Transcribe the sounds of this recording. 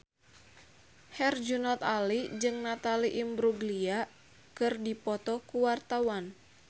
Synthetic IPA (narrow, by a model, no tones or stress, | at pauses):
hɛrd͡ʒunɔt̪alid͡ʒɨŋnat̪aliʔimbɾuɡlia | kɨrdipɔt̪ɔkuwart̪awan